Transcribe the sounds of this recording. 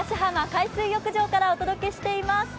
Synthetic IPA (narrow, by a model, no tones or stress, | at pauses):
aɕiɦamakaisɨːjo̞kɯ̟ʑo̞ːkaɾaot̪o̞d̪oke̞ɕi̥t̪e̞imasɨ̥